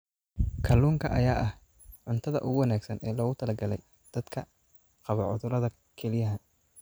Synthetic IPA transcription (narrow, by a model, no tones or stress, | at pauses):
kʰɐluːŋkʰɐʔɐjaːʔɐh | ʕʊnt̪ʰɐðɐ̰ʔʊɣʊwɑnaːɡsɐnɛːlɔːɣʊt̪ʰɐlɐɡɐlɛj | d̪̥ɐd̪kʰɐ | qɑβɐʕʊðʊɾɐðɐ | kʰɛlɪjɐɦɐ